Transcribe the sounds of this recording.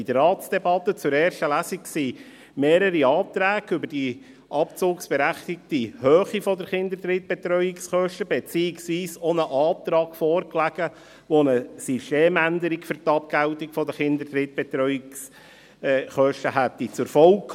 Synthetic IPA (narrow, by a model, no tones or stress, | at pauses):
idəɾɑːtsd̥ɛbɑt̪ːət͡sʊɾɛːɾʃtəlæsiksiː | meːɾəɾiɑːt̪ɾæːɡʏbəɾd̥i | ʔɑpt͡sʊːksb̥ɛɾæχt̪ɪk̚t̪ihøːχifɔdəɾχɪnd̪əɾt̪ɾɪt̪̚bɛt̪ɾœjɪksχœʃtəbɛt͡siɪksʋiːsɔnəʔɑːt̪ɾɑːkfɔːrklæɡ̥ə | ʋɔnəsysteːmænd̪əɾikfʏrt̪ɑp̚ɡ̥æltikfɔd̪əχɪnd̪ədɾɪt̪̚b̥ɛt̪ɾœʏɪks | χœʃtəɦæt̪ːit͡sʊɾfɔlk